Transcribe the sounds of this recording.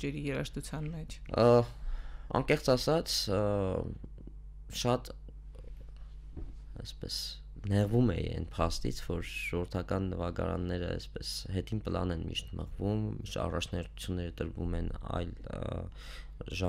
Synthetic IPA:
t͡ʃɛɾijɛɾɑʃt̪ut͡sʰjɑnmɛt͡ʃʰ | ɑ̰ŋkɛχt͡sɑsɑt͡sʰ | ʃɑt̪ | ɛspɛs | nɛʁvumɛiɛ̰npʰɑst̪ḭt͡sʰvɔɾʒ̥ɔəɾt̪ʰɑkɑnːəvɑɡɑ̰ɾɑ̰nːɛɾə̰ɛ̰spɛsɦɛt̪ʰinpəlɑ̰nɛnmḭʃt̪məʁvumiʃɑ̰rɑt͡ʃʰnɛɾt̪ʰu̥t͡sʰjunːɛɾət̪əɾvumɛnɑ̰jl | ʒɑ

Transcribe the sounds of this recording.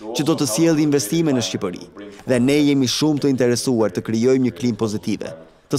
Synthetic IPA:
t͡ɕəd̪ɔt̪əsjɛlˠiiɱvɛst̪imɛnəʃcipəɾḭðɛnɛjɛmiʃumt̪əint̪ɛɾɛsuaɾt̪əkɾijɔjmɲəklimpɔzit̪ivɛ̰ | t̪ə

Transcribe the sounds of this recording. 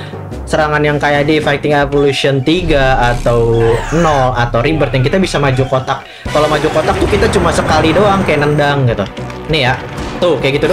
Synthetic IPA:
səɾaŋanjaŋkajadifajt̪ɪŋevolusiɔnt̪iɡaːt̪awnɔat̪awɾibərt̪jaŋkit̪abisamad͡ʒukot̪akː | alawmad͡ʒukot̪ak̚t̪ʊkit̪at͡ʃumasəkalidoaŋkajanəndaŋɡit̪u | nijaʔt̪ʊkajaɡit̪udo

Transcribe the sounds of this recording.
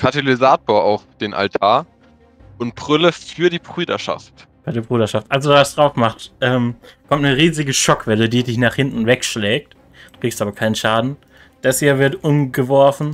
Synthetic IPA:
kʰatelizaːtoːɐaʊfd̥eːnʔa̰ltʰaːɐ | ʔʊnt̚b̥ʁ̥ʏləfyːɐdiːbʁyːdɐ̰ʃa̰ft | fadɛɐbʁyːdɐʃaftʔalzovasd̥ʁaʊfmaχtʔɛːmkʰɔmtnəʁiːzɪɡəʃɔkv̥ɛlədiːdɪçnaːχhɪntn̩vɛkʃlɛːk̚t | d̥uːkʁ̥ikstʔaːbɐkʰaɪnənʃaːdn̩ | d̥asheːɐvɪɐtʔʊmɡəvɔɐfn̩

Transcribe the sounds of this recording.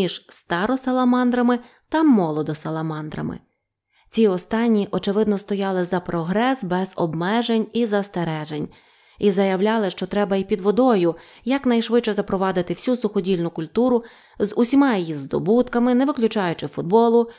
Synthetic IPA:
iʒ̥st̪ɑɾɔsɐlˠɐmɑnd̪ɾɐmɪ | t̪ɐmɔlˠɔd̪ɔsɐlˠɐmɑnd̪ɾɐ̰mɪ̰ | t͡sʲiɔst̪ɑnʲːiʔɔt͡ʃɪʋɪd̪nɔst̪ɔjɑlˠɪzɐpɾɔɦɾɛsbɛz̥ɔbmɛʒenʲizɐst̪eɾɛʒenʲ | izɐjɐwlʲɑlˠɪʃt͡ʃɔt̪ɾɛbɐipʲid̪ʋɔd̪ɔjʊjɐknɐjʃʋɪt͡ʃt͡ʃɛzɐpɾɔʋɑd̪ɪt̪ɪwsʲusʊxɔdʲilʲnʊkʊlʲt̪uɾʊ | zʊsʲimɑjjizd̪ɔ̰but̪kɐmɪnɛʋɪklʲʊt͡ʃɑjʊt͡ʃɪfʊd̪̚bɔlˠʊ

